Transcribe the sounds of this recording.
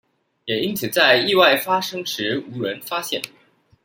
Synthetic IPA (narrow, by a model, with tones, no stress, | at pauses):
jɛ˨˩i˥nt͡sʰɹ̩˨˩t͡sa˥˧ɪi˥˧wa˥˩ɪfa˥ʂɤ˥ŋʂɻ̩˧˥u˧˥ɻə˧˥nfa˥ɕjɛ̰˥˩n